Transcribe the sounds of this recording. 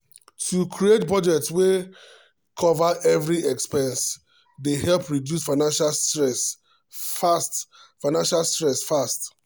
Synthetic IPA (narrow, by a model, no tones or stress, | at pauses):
tʰukʰɹietpɹɔd͡ʒɛk̚tswe | kʰɔvaʔɛvɹiʔɛkspɛ̃ns | dehɛlpɹidjusfaɪnãnʃasɹɛs | fast | faɪnãnʃalstɹɛsfast